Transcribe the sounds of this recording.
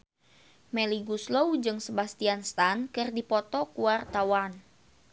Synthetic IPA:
meliɡusloud͡ʒɨŋsəbast̪ianst̪ankɨrdipɔt̪ɔkuart̪awan

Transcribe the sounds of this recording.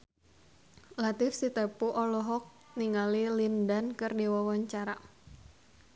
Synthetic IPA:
lat̪ɪfsit̪ɛpuʔɔlɔɦɔk̚ | niŋalilindankɨrdiwɔwɔɲt͡ʃaɾa

